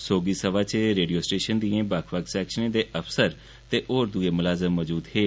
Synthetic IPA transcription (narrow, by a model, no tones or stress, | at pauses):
soːɡiːsəʋaːt͡ʃeɾeːɖijoːsʈeːʃənd̪iẽːbəkʰʋəksɛːkʃənẽːd̪eːʔəpʰsəɾ | t̪eːʔoːɾd̪ʊeːmʊlaːzəmːɔd͡ʒuːd̪ɦeː